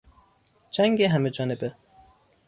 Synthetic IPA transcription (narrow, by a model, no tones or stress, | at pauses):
d͡ʒæŋɡeɦæmed͡ʒɒːnebe